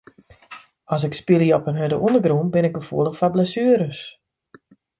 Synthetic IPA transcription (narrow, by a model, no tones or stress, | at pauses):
ɔs̬ɪkspiliɔpənɦødəʔundəɡrunbɪnɪk̚əfuəlˠəxfablɛsyəɾəs